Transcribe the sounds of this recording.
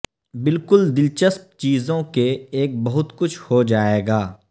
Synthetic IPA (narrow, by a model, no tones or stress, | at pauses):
bɪlkʊld̪ɪlt͡ʃəsp̚t͡ʃiːzõkeeːk̚bɐɦʊt̪kʊt͡ʃʰhod͡ʒaːeːɡaː